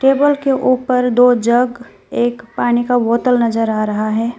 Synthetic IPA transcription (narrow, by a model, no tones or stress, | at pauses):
ʈeːbəlkeʔuːpəɾd̪oːd͡ʒɐɡ | eːkpaːnikaʋoːt̪əlnɐzəɾaːɾɐɦaɦɛː